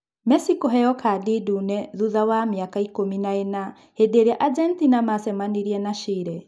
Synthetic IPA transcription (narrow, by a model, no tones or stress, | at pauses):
mɛsikɔɦɛjɔkʰadidunɛðuðawamiakaikominaɛna | hedeɾiaʔad͡ʒɛntinamasɛmaniɾiɛnaʃiɾɛ